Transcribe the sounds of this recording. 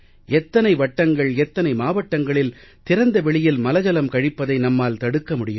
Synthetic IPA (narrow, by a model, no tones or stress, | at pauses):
ɛt̪ːɐnɐɪʋɐʈːɐŋɡɐɭɛt̪ːɐnɐɪmaːʋɐʈːɐŋɡɐɭɪlt̪ɪɾɐnd̪ɐʋɛɭɪjɪlmɐlɐd͡ʒɐlɐmkɐɻɪpːɐðɐɪnɐmːaːlt̪ɐɽɯkːɐmʊɽɪjɯ